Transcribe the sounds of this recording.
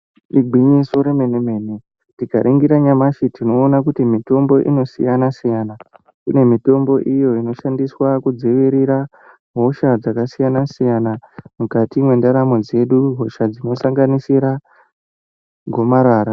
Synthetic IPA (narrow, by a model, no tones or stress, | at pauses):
iɡʱwiɲiso̞ɾemeneme̞ːne | ndikaɾʔiŋɡiɾaɲamaʃitino̞ːnak̬utimito̞mbo̞ʔḭno̞sḭjanasijana | kune̞mito̞mbo̞ʔijo̞ino̞ʃandiswakud͡zeʋiɾiɾa | ɦo̞ʃad͡zakasijanasijanamukatimwe̞ndaɾamo̞d͡ze̞ɗuɦo̞ʃad͡zino̞saŋɡanisiɾa | ɡʱo̞maɾaːɾa